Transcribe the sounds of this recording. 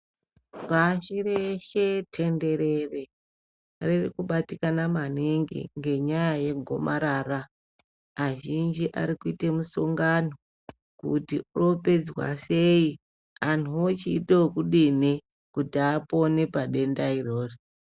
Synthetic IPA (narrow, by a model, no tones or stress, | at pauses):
paʃireʃetʰe̞nde̞ɾe̞re | rirḭkuɓatikanamaneŋɡḭŋɡe̞ɲajajeɡʱo̞̰maɾaːra | aʒind͡ʒiʔa̰ɾikuitemusoŋɡano | kutiuro̞pe̞d͡zwa̰se̞i | anuot͡ʃiːtookuɗini | kutiaponepaɗe̞ndairoːri